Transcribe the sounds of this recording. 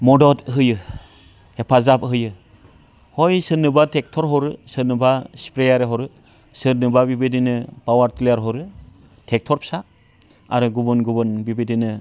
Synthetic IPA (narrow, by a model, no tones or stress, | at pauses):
mɔdɔtɦɯjɯ | hepʰazapɦɯjɯ | hɔjsɯnɯbatʰek̚tʰɔɾɦɔɾɯsɯnɯbaspɾejaɾeɦɔɾɯ | sɯnɯbabibidinɯpawaɾtlejaɾɦɔɾɯ | tʰek̚tʰɔɾpʰsa | aɾɯɡubɯnɡubɯnbibidinɯ